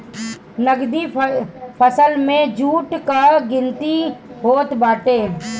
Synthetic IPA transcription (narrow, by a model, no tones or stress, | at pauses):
nəɡd̪ipʰəsəlmẽd͡ʒuːʈkaɡɪ̃nt̪iɦoːt̪baːʈeː